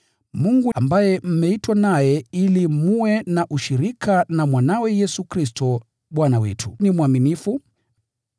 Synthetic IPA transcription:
muŋɡuambajɛm̩mɛitwanajɛilimuwɛnaʔuʃiɾikʰanamwanawɛjɛsukɾis̬tɔ | ɓwanawɛ̰tʰunimwaminifu

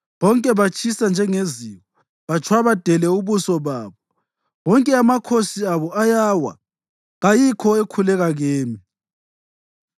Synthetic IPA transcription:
βɔŋkʼɛβat͡ʃʰʼisand͡ʒʱɛŋeziɣɔ | βat͡ʃʰwaβad̥ʱɛlɛuβusɔβaːβɔ | βɔŋkʼɛamakʰosiaβɔajawa̰ | ɣajikʰɔekʰulɛɣaɣeːmi

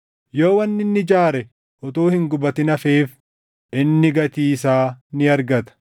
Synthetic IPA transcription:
joːwɐnːɪnːɪd͡ʒaːɾɛ | ʔɔt̪oːhɪŋɡʊbɐt̪ɪnɐfeːf | ʔɪnːɪɡɐt̪iːsaːnɪɐɾɡɐt̪ɐ̥

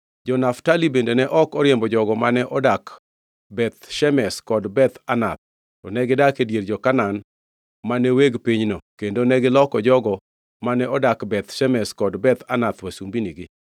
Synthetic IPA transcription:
d͡ʒɔnaftalibendenɛʔɔkɔɾjembɔd͡ʒɔɡɔmanɛʔɔdak | bɛt̪ʃɛmɛskɔdbɛt̪anat̪̚ | tɔnɛɡɪdakedjerd͡ʒɔkanan | maneweɡpiɲnɔkendonɛɡɪlɔkɔd͡ʒɔɡɔ | manɛɔdakbɛt̪ʃɛmɛskɔdbɛt̪anat̪wasumbiniɡɪ

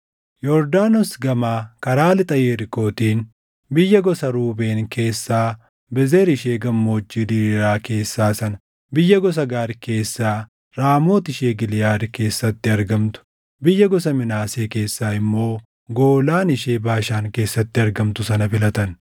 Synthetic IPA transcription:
jɔɾd̪aːnɔsɡɐmaːkɐɾaːlɪt̪ʼɐjeːɾɪko̞ːt̪iːn | bɪjːɐɡɔsɐɾuːbe̞ːŋke̞ːsːaː | bɛzeːɾɪʃeːɡɐmːo̞ːd͡ʒːiːd̪iːɾaːke̞ːsːaːsɐnɐ | bɪjːɐɡɔs̬ɐɡaːɾke̞ːsːaː | ɾaːmoːt̪ɪʃeːɡɪlɪjaːd̪ɪke̞ːsːɐt̪ːɪɐɾɡɐmt̪ʊ̥ | bɪjːɐɡɔsɐmɪnaːseːke̞ːsːaːɪmːo̞ː | ɡo̞ːlaːnɪʃe̞ːbaːʃaːŋke̞ːsːɐt̪ːɪɐɾɡɐmt̪ʊsɐnɐfɪlɐt̪ɐn

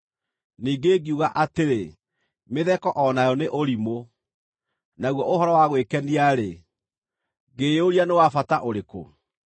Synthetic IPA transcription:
niːɡeːɡiuɣaʔateɾe | meðɛkɔʔɔnajɔneʔoɾimo | naɣwɔʔoɦɔɾɔwaɣwekɛniaɾe | ɡeoɾianewafataʔoɾeko̰

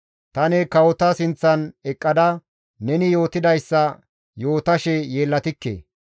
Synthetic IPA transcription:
t̪ɐnɛkɐwɔt̪ɐsɪnt͡sːɐnɛkʼːɐd̪ɐ | nɛnɪjo̞ːt̪ɪd̪ɐjsːɐ | jo̞ːt̪ɐʃɛje̞ːlːɐt̪ɪkːḛː

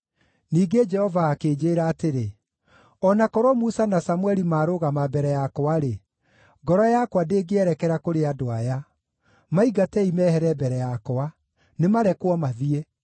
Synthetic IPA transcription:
niːɡed͡ʒɛhɔvaːkeːd͡ʒeːɾaːteɾe | ɔnakɔɾwɔmusanasamwɛɾimaːɾoɣamabɛɾɛjakoaɾe | ɡɔɾɔjakwadeːɡeɛɾɛkɛɾakoɾeadoaja | maiɡatɛimɛhɛɾɛbɛɾɛjakoa | nemaɾɛkwɔmaðiɛ

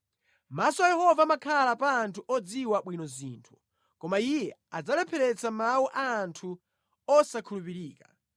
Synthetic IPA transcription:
masɔajɛhɔvamakʰalapaːntʰuʔɔd͡ziwaɓwinɔzḭːntʰu̥ | kɔmaijɛad͡zalɛpʰɛɾɛt͡samauʔaːntʰu | ɔsakʰulupiɾiːka

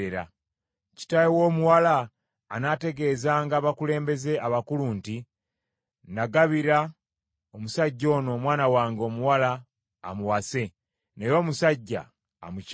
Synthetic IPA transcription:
eɾa̰ | ci̥tajewo̞ːmuwalaː | nate̞ɡe̞ːzaːŋɡaːβakule̞ːmbe̞ze̞ʔaβakuluːnti | naɡaβiɾa | omusaɟːo̞ːno̞ːmwaːnawaːŋɡo̞ːmuwalaː | muwase̞ | nejoːmusaɟːa̰ː | mu

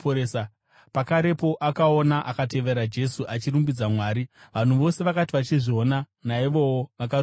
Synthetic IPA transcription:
oesa | pakaɾe̞po̞ʔakao̞naʔakate̞ʋe̞ɾad͡ʒe̞suʔat͡ʃiɾumbid͡zamwaːɾiʋan̤uʋo̞se̞ʋakatiʋat͡ʃiʐio̞na | naiʋo̞woʋak̬ar

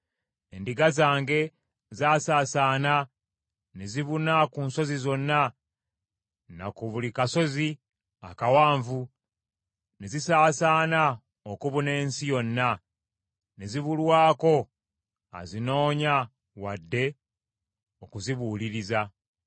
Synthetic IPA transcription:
endiɡazaːŋɡe̞ | zaːsaːsaːna | neziβunakuːnso̞zizo̞nːa | na̰kuβulikaso̞zi | a̰kawaːɱvu | nezisaːsaːna | okuβune̞ːnsijo̞nːa | neziβulwaːko̞ | a̰zino̞ːɲa | wadːe̞ | okuziβuːliɾiza

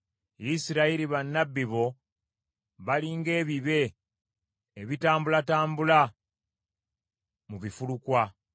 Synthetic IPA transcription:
jisiɾaiɾiβanːabːiβo̞ | βaliːŋɡe̞ːβiβe̞ | βitaːmbulataːmbula | muβifulukwa

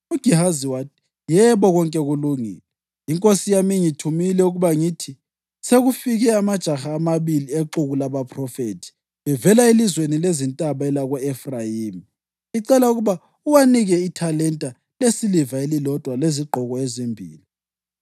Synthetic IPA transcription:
uɡ̥ʱihaziwaːtʰi̥ | jɛβɔɣɔŋkʼɛɣuluŋḭːlɛ | iŋkʼosijamiŋitʰumilɛuɣuβaŋitʰi | seɣufiɣɛamad̥ʒ̥ʱaxaːmaβilieǃuɣulaβapʰʼrɔfetʰi̥ | βɛvɛlaelizwenilezintʼaβaɛlaɣɛɛfrajiːmi | iǀɛlauɣuβa | uwaniɣɛitʰalɛntʼa | lesilivaelilɔd̥ʱwaleziɡ͡ǃʱɔɣɔezimbʱḭːli

